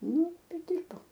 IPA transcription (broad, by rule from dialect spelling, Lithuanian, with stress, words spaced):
ˈnʊ ˈtɐɪ ˈdʲɪrbɐʊ